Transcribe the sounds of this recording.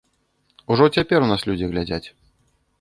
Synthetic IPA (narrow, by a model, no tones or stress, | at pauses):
uʐɔt͡sʲapʲɛɾunaslʲud͡zʲiɣlʲad͡zʲat͡sʲ